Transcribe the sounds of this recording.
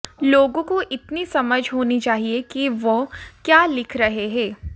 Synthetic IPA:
loːɡõkoʔɪt̪nisɐməd͡ʒʱɦoːnit͡ʃaːɦiekiʋokjaːlɪkʰɾɐɦeɦɛ̃ː

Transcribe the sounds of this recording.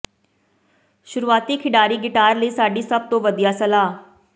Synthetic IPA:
ʃʊɾuːaːt̪iːkʰɪɖaːɾiːɡɪʈaːɾləiːsaːɖiːsəb̚t̪õːʋəd̪ijaːsəlaː

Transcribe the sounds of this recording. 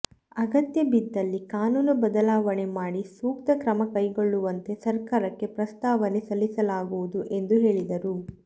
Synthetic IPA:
ɐɡɐt̪jɐbid̪ːɐlːikaːnuːnubɐd̪ɐlaːʋɐɳe̞maːɽisuːk̚t̪ɐkɾɐmɐkɐjɡo̞ɭːuʋɐnt̪e̞sɐɾkaːɾɐkːe̞pɾɐst̪aːʋɐnesɐlːisɐlaːɡuʋud̪uʔe̞nd̪uɦe̞ːɭid̪ɐɾu

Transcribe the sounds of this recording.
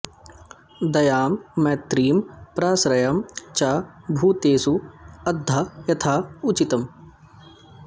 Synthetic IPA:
d̪ɐjaːmːɛːt̪ɾiːmpɾaːsɾɐjɐmt͡ʃaːbʱuːt̪eːsuɐd̪ʱːaːjɐt̪ʰaːut͡ʃit̪ɐm

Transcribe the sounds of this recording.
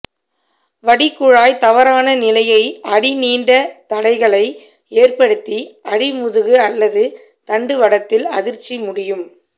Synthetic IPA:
ʋɐɽɪkːʊɻaːjt̪ɐʋɐɾaːnɐnɪlɐjɐɪɐɽɪniːɳɖɐt̪ɐɽɐɪɣɐɭɐɪ | eːrpɐɽɯt̪ːiɐɽɪmʊðɯɣɯɐlːɐðɯ | t̪ɐɳɖɯʋɐɽɐt̪ːɪlɐ̰ðɪɾt͡ʃːimʊɽɪjɯm

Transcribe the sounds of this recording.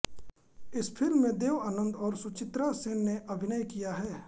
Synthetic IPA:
ɪspʰɪlmːẽd̪eːʋaːnə̃nd̪ɔːɾsʊt͡ʃɪt̪ɾaseːnːeʔɐbʱɪnajkijaɦɛː

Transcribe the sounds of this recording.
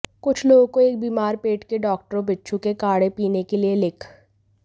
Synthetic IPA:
kʊt͡ʃʰloːɡkoeːk̚biːmaːɾpeːʈkeɖɔːk̚ʈəɾõbɪtːʃʰukekaːɽepiːnekelielɪkʰ

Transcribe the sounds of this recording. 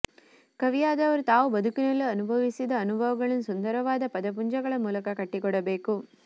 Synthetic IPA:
kɐʋijaːd̪ɐʋɐɾut̪aːʋubɐd̪ukinɐlːuɐnubʱɐʋisid̪ɐːnubʱɐʋɐɡɐɭɐnusund̪ɐɾɐʋaːd̪ɐpɐd̪ɐp̬uɲd͡ʒɐɡɐɭɐmuːlɐkɐkɐʈːikɔɽɐbe̞ːku

